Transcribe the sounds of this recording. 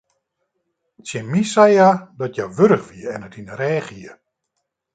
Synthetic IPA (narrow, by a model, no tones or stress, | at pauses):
tsjɛnmisɛjadɔtʰjaʋøɾəxʋiəɛnətinəɾɛːxiə